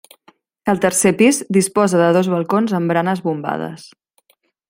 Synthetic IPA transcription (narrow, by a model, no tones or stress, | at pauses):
əlˠt̪əɾsepizd̪ispɔzəðəðozβəlˠkonzəmbɾanəzβumba̰ð̞ə̰s